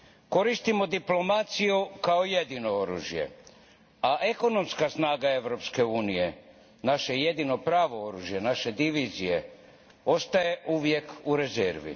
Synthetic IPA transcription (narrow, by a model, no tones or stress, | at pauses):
ko̞ɾist̪imo̞d̪iplo̞mat̪sijukaojed̪ino̞oɾṵːʒje̞̰ | aʔe̞ko̞no̞mskasnaːɡae̞ʋɾo̞pske̞uːnije̞ | naʃe̞je̞d̪ino̞pɾaːʋo̞oɾuːʒje̞naʃe̞d̪iʋizije̞ | o̞st̪aje̞ʔuʋje̞kuɾe̞zeɾʋḭ